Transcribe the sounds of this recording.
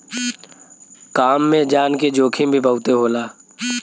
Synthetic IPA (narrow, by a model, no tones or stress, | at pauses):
kaːmːẽd͡ʒaːnked͡ʒoːkʰimbʱibəʊt̪eɦoːlaː